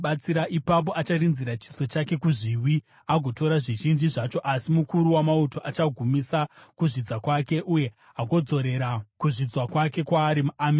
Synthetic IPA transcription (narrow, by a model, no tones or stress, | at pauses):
ɓat͡siɾaʔipap̬o̞ʔat͡ʃarinziɾat͡ʃi̥so̞t͡ʃake̞kuʐiwi | aɡʱo̞to̞ɾaʐiʒind͡ʒiʐat͡ʃo̞ʔasimukuɾuwamauto̞ʔat͡ʃaɡʱumisakuʐid͡zakwake̞ʔuje̞ | ɦaɡo̞d͡zo̞ɾe̞ɾakuʐid͡zwakwake̞kwaːɾimuam